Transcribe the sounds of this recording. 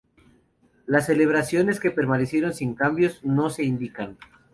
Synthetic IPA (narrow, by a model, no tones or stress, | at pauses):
lasːe̞le̞β̞ɾasjo̞ne̞ske̞pe̞ɾmanesje̞ɾo̞nsiŋkambjo̞zno̞se̞ind̪ikan